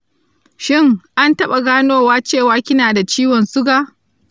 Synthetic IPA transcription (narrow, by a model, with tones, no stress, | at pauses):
ʃɪ˦˨ŋʔa˦ntɐ˦ɓa˨ɡaː˦noː˦waː˦t͡ʃeː˦˨waː˦kʲɪ˦naː˨da˨t͡ʃiː˦wɔ˨nsʊ˦ɡaː˨